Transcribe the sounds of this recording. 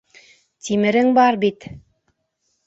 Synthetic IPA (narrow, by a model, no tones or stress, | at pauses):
t̪ʰimɘ̆ɾɘŋbɑɾbit̪